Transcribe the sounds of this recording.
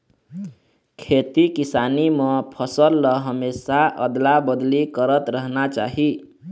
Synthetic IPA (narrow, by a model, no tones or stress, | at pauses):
kʰet̪ikisanimə̃pʰəsəlːəɦəmesaʔəd̪labəd̪likəɾət̪ɾəɦnat͡ʃaɦi